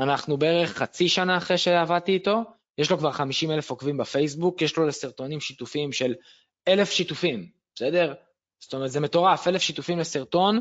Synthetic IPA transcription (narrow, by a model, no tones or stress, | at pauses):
anaχnubeeʁeχːat͡siʃanaːχʁeʃeavadt̪iːto̞ | jeʃlo̞kvaʁχamiʃime̞le̞fokvimbafejs̬bukjeʃlo̞lesiʁt̪o̞nimʃit̪ufimʃe̞l | e̞le̞fʃit̪ufim̥ | sede̞ʁ | st̪omeʁt̪zemet̪o̞ʁafe̞lefʃit̪ufimlesiʁt̪o̞n